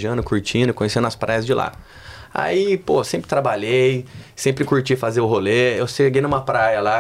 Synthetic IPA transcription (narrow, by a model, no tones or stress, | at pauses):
ʒiɐ̃nʊkuɾt͡ʃĩd̪ʊkõjesĩẽnɐspɾajɐzd͡ʒɪla̰ | a̰iposẽmpɾɪt̪ɾabaʎejsẽmpɾɪkuɾt͡ʃijfazeʊɦoleewseɡejnũmɐpɾajɐla